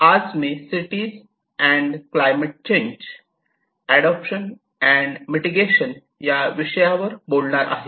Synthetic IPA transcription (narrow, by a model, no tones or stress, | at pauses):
ad͡zmesiʈiːz | ɛ̃ɳɖklajməʈ̚t͡ɕẽɲd͡ʑ | æɽɔpɕən | ɛ̃ɳɖmiʈiɡeɕən | jaʋiɕəjaʋəɾbolɳaɾʔa̰ɦe